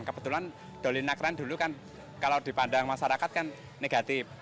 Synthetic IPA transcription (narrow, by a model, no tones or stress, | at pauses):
ŋkəbət̪ulan | d̪̥o̤linakɾand̪ulukan | kalawd̪̥i̤pandaŋmaʃaɾakat̪̚kanː | eɡ̥at̪ɪf